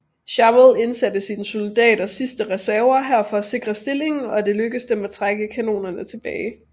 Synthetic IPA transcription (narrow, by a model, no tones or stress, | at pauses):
ɕɑ̈welˠe̝nsæd̥əsiːnsold̥ɛ̰ːd̥ɐsisd̥əʁɛsæɐɐɦæɐ̰fɒ̽æse̝ɡ̥ʁɐsd̥e̝le̝ŋn̩ɒ̽d̥e̝løɡ̥əsd̥emæt͡sʰʁaɡ̥əkʰæno̝̰ːnɐnət͡sʰe̝b̥ɛːɪ